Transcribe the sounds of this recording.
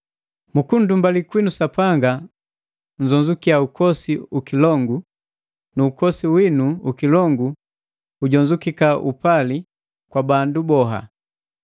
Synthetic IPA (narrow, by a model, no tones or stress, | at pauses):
mukun̩dumbalikwinusapaŋɡa | ɲd͡ʒɔɲd͡ʒukiaukɔsiukilɔŋɡu | nuːkɔsiwinuukilɔŋɡu | uɟɔɲd͡ʒukikaʔupali | kwabandubɔɦa̰